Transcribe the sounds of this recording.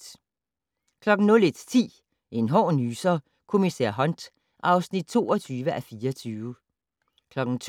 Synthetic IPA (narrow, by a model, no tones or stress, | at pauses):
kʰlɒ̽ɡ̥n̩nɔ̽le̝d̥t͡sʰḭː | ʔe̝nɦɒ̰ːnyːsɐ | kʰo̝misæ̰ɐ̰ɦɒ̽nd̥ | ʔɑ̈ʊsnid̥̚t͡sʰo̝̰ːɒt͡sʰyːʋəʔæfiːɐt͡sʰyːʋ | kʰlɒ̽ɡ̥n̩t͡sʰ